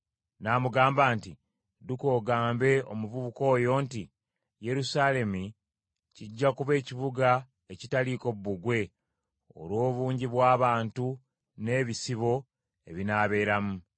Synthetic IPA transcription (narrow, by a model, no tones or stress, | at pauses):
naːmuɡaːmbaːnti | duko̞ːɡaːmbe̞o̞muβuβuko̞ːjo̞ːnti | je̞ɾusaːle̞mu | ciɟːakuβe̞ːciβuɡa | e̞citaliko̞βuβuɡwe̞ | o̞̰lo̞ːβuːɲɟiβwaːβaːntu | ne̞ːβisiβo̞ | e̞̰βinaːβe̞ːɾamu